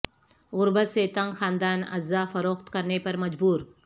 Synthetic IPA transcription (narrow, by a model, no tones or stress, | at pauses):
ɣʊɾbət̪set̪ɐ̃ŋɡxaːnd̪aːnɐ̰zːafɐɾoːxt̪kɐɾnepɐɾmɐd͡ʒbuːɾ